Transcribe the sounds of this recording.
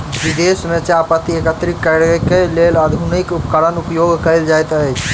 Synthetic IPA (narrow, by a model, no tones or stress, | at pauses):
bid̪esmet͡ʃeapət̪ːiekət̪ɾikːəɾkːeleləd̪ʱunikupkəɾənupjoɡkəjld͡ʒajt̪əet͡ʃʰ